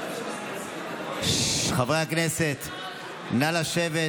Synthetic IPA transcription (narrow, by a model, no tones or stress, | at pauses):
χavʁeakneset̪ | nalaʃeve